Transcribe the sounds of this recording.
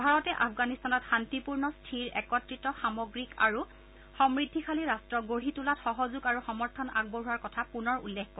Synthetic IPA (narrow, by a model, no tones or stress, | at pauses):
bʱaɹɔtɛʔapʰɡanistanɔtxantipuɹnɔstʰiɹɛkɔtɹitɔxamɔɡɹika̰ɹu | xɔmɹidʱːikʰaliɹastɹɔɡoɹitulatxɔɦɔzuɡaɹuxɔmɔɹtʰɔna̰ɡ̚bɔɦuwaɹkɔtʰapunɔɹṵlːekkɔ